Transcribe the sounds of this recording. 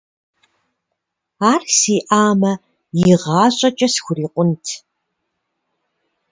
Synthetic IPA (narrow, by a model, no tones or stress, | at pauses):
aːrsiːʔaːmɐ | jɪiʁɑːɕʼɐt͡ʃʼɐsxʷʊriːqʷʼʊntʰ